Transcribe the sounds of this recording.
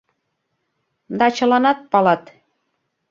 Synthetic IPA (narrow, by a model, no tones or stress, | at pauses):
d̪ɑt͡ɕɤ̆lɑnɑt̪̚pɑlɑt̪